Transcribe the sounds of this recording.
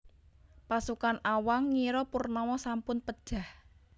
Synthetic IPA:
pasukanʔawaŋːiɾɔpurnɔwɔsampʊnpəd̥ʒ̥a̤h

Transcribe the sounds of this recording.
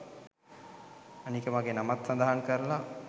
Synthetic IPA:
anikəmaɡenamat̪sand̪aɦaŋkəɾəla

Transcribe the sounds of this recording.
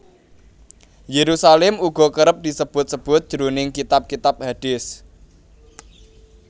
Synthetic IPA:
jeɾusalɛmuɡ̥ɔ̤kəɾəp̚d̪̥i̤səb̥ʊt̪̚səb̥ʊt̪̚d̥ʒ̥ɾunɪŋkit̪ap̚kit̪ap̚haɖ̥ɪs

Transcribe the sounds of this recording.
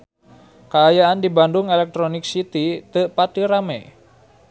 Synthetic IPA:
kaːjaandibandʊŋelɛk̚t̪ɾonɪk̚sit̪it̪əʔpatiɾamɛ

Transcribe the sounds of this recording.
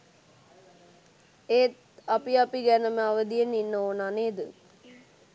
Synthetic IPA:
eːt̪ | apiapiɡænəməaʋəd̪ijeninːəoːnaneːd̪ə

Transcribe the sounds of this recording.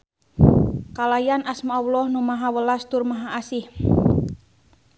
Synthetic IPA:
kalajanasmaawlɔhnumaɦawəlast̪urmaɦaːsih

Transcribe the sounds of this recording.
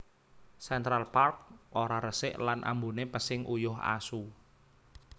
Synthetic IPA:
sɛnt̪ɾalpark̚ʔoɾaɾəsɪʔlanʔa̰mbunepəsɪŋʔujʊɦa̰su

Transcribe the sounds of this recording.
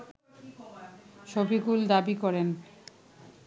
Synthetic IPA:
ʃobiɡuld̪abikɔɾen

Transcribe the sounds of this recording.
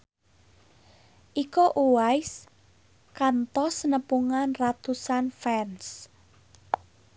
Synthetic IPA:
ʔikoʔuwajs | kant̪ɔsnəpuŋanrat̪usanfɛns

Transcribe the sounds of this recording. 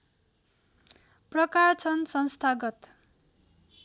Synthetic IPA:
prʌkart͡sʰʌnsʌnst̪ʰaɡʌt̪

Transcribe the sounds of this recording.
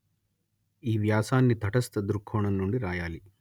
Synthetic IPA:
iːʋjaːsaːnːit̪ɐʈɐst̪ɐd̪uɾkʰːoːɳɐnːuɳɖiɾaːjaːli

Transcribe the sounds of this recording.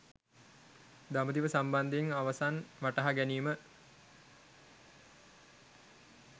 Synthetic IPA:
d̪aməd̪iʋəsamband̪ŋaʋasanʋaʈɐɦaɡæniːmə

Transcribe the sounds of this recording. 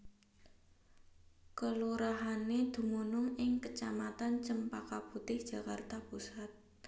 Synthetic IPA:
kəluɾaɦaned̪̥ṳmunʊŋɪŋkət͡ʃamat̪ant͡ʃəmpakaput̪ɪhd̥ʒ̥ä̤kart̪apusat̪̚

